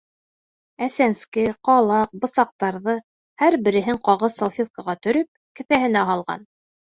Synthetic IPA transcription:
æsænskɘqɑlˠɑq̚bɤ̆sɑq̚t̪ɑɾðɤ | hæɾbɘ̆ɾɘ̆ɦɘɴqɑʁɤðsɑlˠfʲit̪kɑʁɑt̪ɵ̆ɾɵp̚kɘ̆θæɦɘ̆næɦɑlˠʁɑ̰n

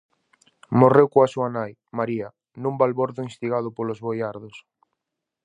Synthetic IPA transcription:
morewkoasuanaj | maɾia | nũmbalβoɾðʊinst̪iɣað̞ʊpolozβojaɾðʊs

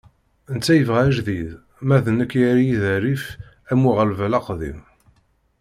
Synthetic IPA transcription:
ənt͡sːæjəvʁæʒðið | mæðənəkːjæɾijiðæɾif | æmuʁəlvælɑqðḭm

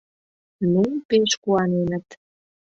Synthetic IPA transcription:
numpeʃkuɑnenə̆t̪

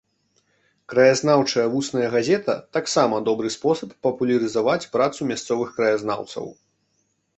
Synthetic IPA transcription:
kɾɐjaznawt͡ʂɐjɐvusnɐjɐɣazʲɛt̪ɐ̰t̪aksamɐd̪ɔbɾɨspɔsɐpːɐpulʲɐɾɨzavat͡sʲpɾat̪sumʲast̪sɔvɨxkɾɐjazna̰wt̪sɐ̰w

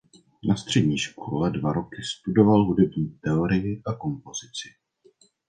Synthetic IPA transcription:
nast̪r̝̥ɛdɲiːʃkʰolɛdvaɾo̞kɪst̪udo̞valɦudɛbɲiːt̪ɛoɾɪjɪʔako̞mpo̞z̥ɪt͡sɪ̥

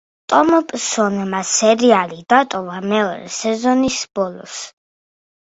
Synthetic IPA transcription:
t̪ʼɔmɔpʼsɔnmasɛɾialid̪at̪ʼɔvamɛɔɾɛ̰sɛzɔnisb̥ɔlˠɔ̰s

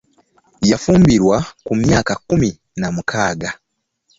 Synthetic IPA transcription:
jafuːmbiɾwakumjaːkakumi | namukʰaːɡa

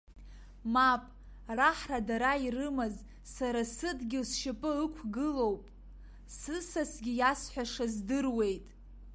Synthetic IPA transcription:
mapʼ | raħradaɾairɨmɨz | saɾasɨdɡʲɪsʃɪpʼɨɨkʷʰɡɨlowpʼ | sɨsasɡʲijasħʷᶣaʂazdɨrwe̞jtʼ

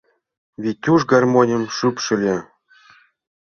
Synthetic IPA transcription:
βʲit̪ʲːuʐɡɑrmonʲə̆mʃypʃɘ̆lʲe

